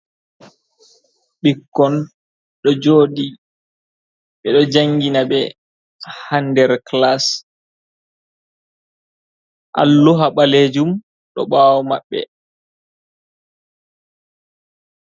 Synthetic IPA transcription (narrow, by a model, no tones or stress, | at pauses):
ɓikːɔn | ɗɔd͡ʒoːɗi | ɓɛɗɔd͡ʒaŋɡinaɓɛ | handɛɾklas | ʔa̰lːuɦaɓaled͡ʒum | ɗɔ̰ɓaːwɔma̰ɓːɛ̰